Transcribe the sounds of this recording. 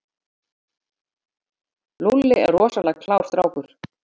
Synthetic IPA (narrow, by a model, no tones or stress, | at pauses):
lulːɪɛ̰ɾːɔːsalɛɣkʰlaːwɾ̥θɾaːwkʏɾ̥